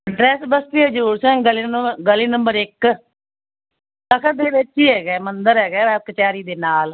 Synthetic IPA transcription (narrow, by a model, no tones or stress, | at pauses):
ɖɾɛːsbəst̪iːəd͡ʒəɾuːɾsɛ̃ːɡəliːɡəliːnəmbəɾɪk | t̪əkʰəɾd̪eːʋɪt͡ʃɦiːɦɛːɡɛːmənd̪əɾɦɛːɡɛːʋɛːb̚kət͡ʃaːɾiːd̪eːnaːl